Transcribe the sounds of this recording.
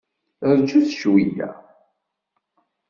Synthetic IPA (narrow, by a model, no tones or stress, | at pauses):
ɾt͡ʃːuθʃwijæ̰